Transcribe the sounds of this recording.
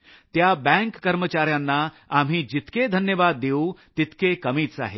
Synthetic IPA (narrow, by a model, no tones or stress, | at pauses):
t̪jabɛ̃ŋkːəɾmət͡ɕaɾjanːa | am̤iːd͡ʑit̪ked̪ʱənjəʋad̪ːeũt̪it̪kekəmiːt͡sa̰ɦe